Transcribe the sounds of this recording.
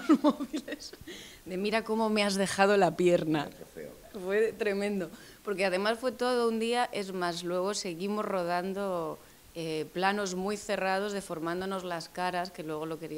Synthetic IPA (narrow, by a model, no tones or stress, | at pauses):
ozmoβilesd̪e̞miɾako̞mo̞me̞azðe̞xað̞o̞lapje̞ɾna̰ | fwe̞t̪ɾe̞mẽ̞nd̪o̞ | po̞ɾke̞að̞e̞masfwe̞t̪o̞ð̞ound̪iaʔe̞zmazlwe̞ɣ̞ose̞ɣimo̞zro̞ð̞and̪o̞ | eplano̞zmwujθe̞rað̞o̞zð̞efo̞ɾmãnd̪ono̞zlaskaɾaske̞lwe̞ɣ̞o̞lo̞ke̞ɾi